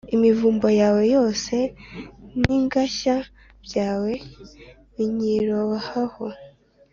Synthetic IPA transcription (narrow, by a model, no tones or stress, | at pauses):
imivuːmbojaːwe̞jo̞ːse̞ | niŋɡaʃa | bjaːwe̞ | βiɲiɾowahaho̞